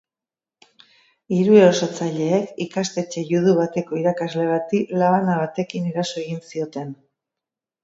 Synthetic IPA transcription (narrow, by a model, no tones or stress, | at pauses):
iɾueosot͡saʎe̞ːkikast̪e̞t͡ʃe̞juð̞uβ̞at̪e̞ko̞iɾakazle̞β̞at̪ilaβanaβ̞at̪e̞kiniɾaso̞e̞ɣ̞insio̞t̪e̞n